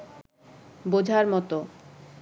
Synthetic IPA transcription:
bod͡ʑʱaɾmɔt̪o

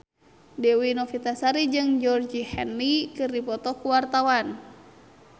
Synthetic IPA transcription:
dɛwinɔfit̪asaɾid͡ʒɨŋd͡ʒɔrd͡ʒihɛnːikɨrdipɔt̪ɔkuwart̪awan

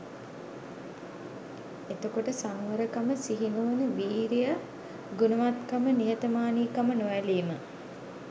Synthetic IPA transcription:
et̪okoʈəsamʋəɾəkaməsiɦinoʋənəʋiːɾijə | ɡunəʋat̪kamənijət̪əmaːniːkamənoʋæliːmə

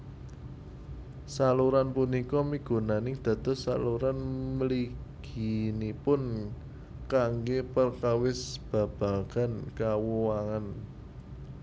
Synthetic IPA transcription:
saluɾanpunikɔmiɡ̥o̤nanɪŋd̪̥a̤d̪̥ɔ̤sa̰luɾanməliɡ̥inipʊn | kaŋɡepərkawɪsb̥a̤b̥a̤ɡ̥a̤nkawuwaŋan

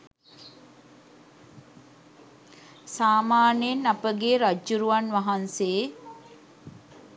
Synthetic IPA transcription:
saːmaːnjenapəɡeːɾad͡ʒuɾuʋanʋaɦanseː

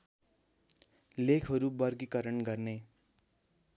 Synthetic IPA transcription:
lekʰɦʌɾubʌrɡikʌɾʌnɡʌrne

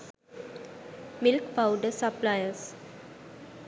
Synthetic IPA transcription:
milkpawɖəsaplajəs

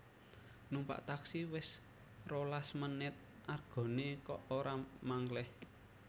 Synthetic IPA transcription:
numpa̰ʔt̪aksiwɪs | rolasmənɪt̪̚ | ʔarɡ̥ɔ̤nekɔʔoɾamaŋlɛh

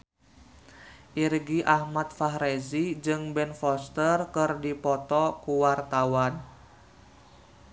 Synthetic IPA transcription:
ʔirɡiʔahmat̪̚faɦɾezid͡ʒɨŋbɛnfɔst̪ərkɨrdipɔt̪ɔkuwart̪awan

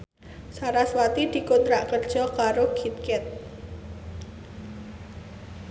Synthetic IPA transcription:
saɾaswat̪id̪̥i̤kont̪ɾaʔkərd̥ʒ̥ɔ̤kaɾoɡ̥it̪̚kɛt̪̚

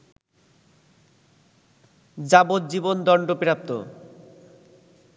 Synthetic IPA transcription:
d͡ʑabod̪̚d͡ʑibond̪ɔɳɖopiɾap̚t̪o̰

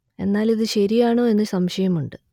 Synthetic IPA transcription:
e̞̰nːaːliðɨɕɐɾijaːɳo̞ːe̞nːɨsɐmɕɐjɐmuɳɖɨ

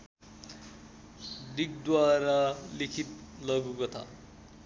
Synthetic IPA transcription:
ɖik̚d̪waɾalikʰit̪̚lʌɡukot̪ʰa̰

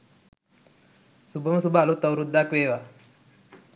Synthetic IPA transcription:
subəmsubʱalut̪əwɾud̪akʋeʋa

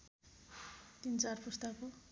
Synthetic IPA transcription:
t̪int͡sarpust̪ako

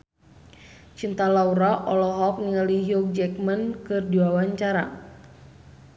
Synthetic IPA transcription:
t͡ʃint̪alauɾaʔɔlɔɦɔk̚niŋaliɦiɔk̚d͡ʒɛkmənkɨrdiwawaɲt͡ʃaɾa̰

